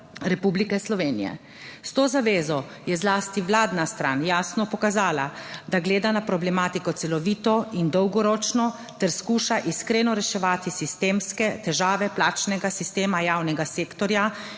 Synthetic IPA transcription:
ɾɛpublikɛslɔʋeːnḭjɛ̰ | st̪oːzaʋeːzɔ | jɛzlaːst̪iʋlaːd̪nast̪ɾa̰ːnjaːsnɔpɔkazaːlad̪aɡleːd̪anapɾɔblɛmaːt̪ikɔt̪sɛlɔʋiːt̪ɔind̪ɔwɡɔɾɔːt͡ʃnɔ | t̪ɛɾskuːʃaʔiskɾeːnɔɾɛʃɛʋaːt̪isist̪eːmskɛt̪ɛʒaːʋɛplaːt͡ʃnɛɡasist̪eːmajaːwnɛɡaseːkt̪ɔɾja

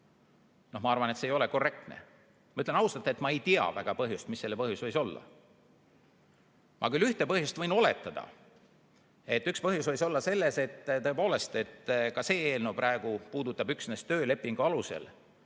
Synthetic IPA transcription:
nohmɑɑrvɑnet̪seːjo̞le̞ko̞rːe̞k̚t̪ne̞̰ | mɑyt̪lenɑwst̪ɑt̪ːˑet̪mɑejt̪iɑ̰væɡ̥ɑpɤɦjust̪misːe̞lːepɤɦjusvɤjso̞lːɑ̰ | mʔɑ̰kylːyht̪e̞pɤhjust̪vɤ̞jno̞le̞̰t̪ːˑɑd̪̥ɑ̰ | e̞t̪ːykspɤɦjusvɤjso̞lːɑse̞lːe̞se̞t̪ːt̪ɤe̞po̞ːle̞st̪e̞t̪ːkɑse̞ːeːlnupɾæe̞ɡ̥upuːd̪ut̪ːˑɑbyksnest̪ø̞ːle̞pːˑiŋɡ̥uɑluse̞̰l

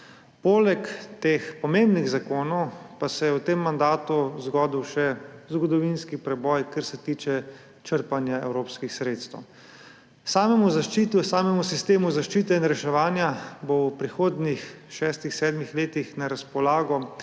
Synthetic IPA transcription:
poːlɛkt̪expɔmembniɣzakoːnɔwpasɛjɛwt̪emːand̪aːt̪uzɡɔːd̪iwʃɛzɡɔd̪ɔʋinskipɾɛbɔjkaɾsɛt̪iːt͡ʃɛ | t͡ʃəɾpanjaɛ̰wɾoːpskixsɾeːt̪st̪əw | saːmɛmuzaʃt͡ʃit̪usaːmɛmusist̪eːmuzaʃt͡ʃiːt̪ɛinɾɛʃɛʋaːnjabowpɾixoːd̪nix | ʃɛːst̪ixsɛːd̪mixleːt̪ixnɛɾaspɔlaːɡɔ

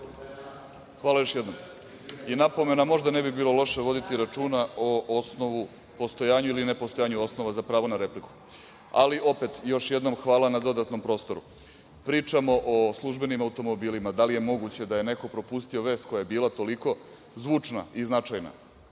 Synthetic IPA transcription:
xʋaːlˠajo̞ʃjed̪nom | inapo̞me̞namo̞ʒd̪ane̞bibiːlo̞lˠo̞ʃeʋo̞d̪it̪iɾat͡ʂuːnaoosnoʋu | po̞st̪o̞jaːɲuiline̞post̪ojaːɲuo̞snoʋazapɾaːʋo̞naɾe̞pliku̥ | a̰liʔo̞pe̞t̪jo̞ʃjed̪no̞mxʋaːlanad̪o̞d̪at̪no̞mpɾoːst̪o̞ɾṵ | pɾiːt͡ʂamo̞ʔoslˠuʒbe̞nimaut̪o̞mo̞biːlimad̪alijemo̞ɡut͡ɕe̞d̪ajene̞ko̞pɾo̞pust̪io̞ʋe̞ːst̪̚ko̞jajebiːlˠat̪o̞liko̞ | zʋuːt͡ʂnaiznat͡ʂajna̰

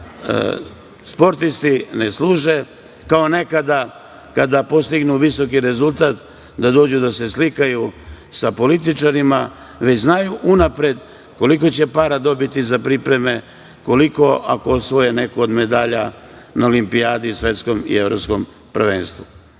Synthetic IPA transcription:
spo̞ɾt̪ist̪ineslˠuːʒe̞ | kao̞ne̞kad̪a | kad̪apo̞st̪iɡnuʋiso̞kiɾe̞zulˠt̪aːt̪ | d̪ad̪o̞ːd͡ʑud̪ase̞slikaju | sapo̞lit̪it͡ʃaɾima | ʋet͡ɕznajuʔunapɾe̞d̪ | ko̞lik̬o̞t͡ɕe̞paːɾad̪o̞bit̪izapɾipɾe̞me̞ | ko̞liko̞ʔakoosʋo̞jene̞kood̪me̞d̪aːʎa | naolimpiaːd̪iusʋe̞t̪sko̞mḭeʋɾopsko̞m | pr̩ʋenst̪ʋu

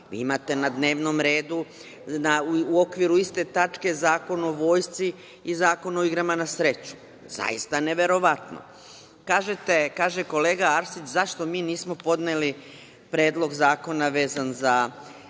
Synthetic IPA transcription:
ʋḭːimat̪e̞nad̪ne̞ːʋno̞mɾe̞ːd̪u | nauo̞kʋiɾuist̪e̞t̪at͡ʃke̞zaːko̞noʋo̞ːjst̪si | izaːko̞noiɡɾamanasɾe̞t͡ɕu̥ | za̰ḭst̪ane̞ʋe̞ɾo̞ʋat̪no̰ | kaːʒet̪e̞kaːʒe̞ko̞le̞ːɡaaɾsit͡ʃzaʃt̪o̞miːniːsmo̞po̞d̪neli | pɾeːd̪lˠo̞ɡzaːko̞naʋe̞ːzanza

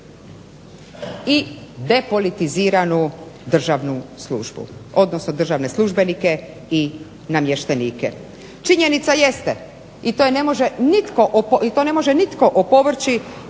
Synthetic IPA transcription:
id̪e̞po̞lit̪iziːɾanud̪r̩ʒaʋnusluʒbṵo̞d̪no̞sno̞d̪r̩ʒaʋne̞slˠuʒbe̞nike̞ | i | namje̞ʃt̪eniːkḛ | t͡ʃiɲe̞nit̪saje̞st̪e | it̪ojene̞mo̞ʒenit̪ko̞ʔopit̪o̞ne̞mo̞ʒenit̪koʔopo̞ʋr̩t͡ʃi

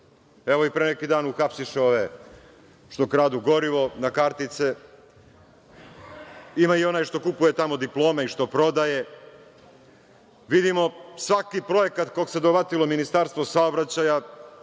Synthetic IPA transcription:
eʋo̞ipɾenekid̪aːnuxapsiʃeo̞ʋe | ʃt̪okɾaːd̪uɡo̞ɾiʋo̞nakaɾt̪it̪se | imaio̞najʃt̪o̞kupuje̞t̪amo̞d̪iplˠo̞ːmeiʃt̪o̞pɾo̞d̪aje̞ | ʋid̪imo̞sʋakipɾo̞jekat̪koɡse̞d̪obat̪ilo̞minist̪aɾst̪ʋosaobɾat͡ɕaja

